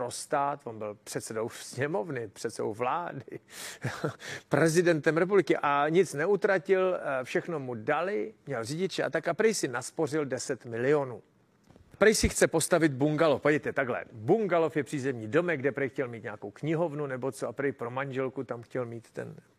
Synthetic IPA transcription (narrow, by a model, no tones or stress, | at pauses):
pɾost̪aːt̪vonbɪlpr̝̥ɛt̪sɛdo̞wsɲɛmo̞vnɪpr̝̥ɛt̪sɛdo̰wvlaːdɪ | pɾɛzɪdɛnt̪ɛmɾɛp̬ublɪkɪʔaɲɪt͡snɛut̪ɾacɪlfʃɛxno̞mudalɪmɲɛlrɪɟɪt͡ʃɛʔa̰t̪akapɾɛjsɪnaspo̞r̝ɪldɛsɛt̪mɪlɪo̞nuː | pɾɛjsɪxt͡sɛpo̞st̪avɪt̪buŋɡalofvaɟɛjt̪ɛt̪aɡlɛ̰buŋɡalofjɛpr̝̥iːzɛmɲiːdo̞mɛɡdɛpɾɛjxcɛlmiːt̪ɲaːko̞wkɲɪɦo̞vnunɛbo̞t͡soapɾɛjpɾo̞maɲʒɛlkut̪amxcɛlmiːt̪ːɛ̰n